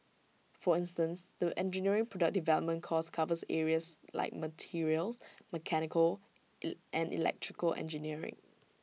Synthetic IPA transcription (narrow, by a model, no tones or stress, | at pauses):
fɔɪ̃nstə̃nsdəʔɛ̃nd͡ʒiniəɹɪ̃ŋpʰɹɔdək̚divɛləp̚mə̃nkʰɔskʰavəsɛ̰ɹiəsla̰ɪk̚mətʰiɹiəlsməkʰɛnɪkəl | ʔɛ̃nḭlɛ̰k̚tʰɹ̥ɪkəlʔɛ̰̃nd͡ʒiniəɹɪ̰̃ŋ